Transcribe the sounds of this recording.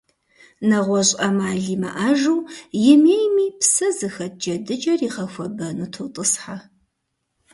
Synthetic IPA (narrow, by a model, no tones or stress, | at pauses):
nɐʁʷɔɕʼɐmaːɮiːmɐ̰ʔaːʒuwjɪmeːjmiːpsɐzɨxɐt̚d͡ʒɐdɨd͡ʒʼɐriːʁɐxʷɐbɐnuːtʰotʼɨsħa